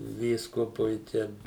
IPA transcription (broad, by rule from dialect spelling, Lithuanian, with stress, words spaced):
ˈʋʲiːskʊpʊɪ ˈtʲɛn